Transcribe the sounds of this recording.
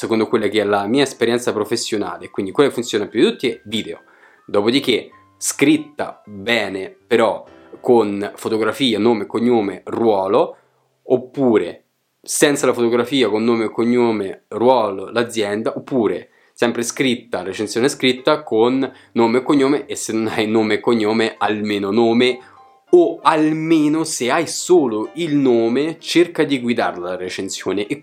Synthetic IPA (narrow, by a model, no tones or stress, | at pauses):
sekond̪okwelːak̟eɛlamiːaespeɾjɛnt̪sapɾofesːjona̰ːleːkwind̪ikwelːakefːunt̪sjoːnapjud̪it̪ut̪ːiɛviːd̪eo̰ | d̪oːpod̪ike | skɾit̪ːa̰bɛːnepeɾɔ | konfot̪oɡɾafiːanoːmekːoɲːoːmerwɔːlo | opːuːɾḛ | sɛnt̪salafot̪oɡɾafiːakonːoːmekːoɲːoːmerwɔːlolad̪zːjɛnd̪aʔopːuːɾḛ | sɛmpɾeskɾit̪ːaɾet͡ʃensjoːneskɾit̪ːakonː | oːmekːoɲːoːmeʔesːenːonajnoːmekoɲːoːmealmeːnonoːme | oalmeːnoseajsoːloilnoːmet͡ʃerkad̪iɡwid̪a̰rlaret͡ʃensjoːneʔe